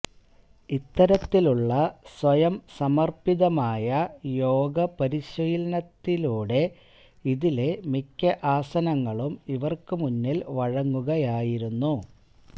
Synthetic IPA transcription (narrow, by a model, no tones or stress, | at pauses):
it̪ːɐɾɐt̪ːiluɭːɐswɐjɐmsɐmɐrpiðɐmaːjɐjo̞ːɡɐpɐɾiɕɐjlɐnɐt̪ːiluːɽe̞ | iðile̞mikʲːɐʔaːsɐnɐŋːɐɭumiʋɐrkɨmunːilʋɐɻɐŋːuɣɐjaːjiɾunːu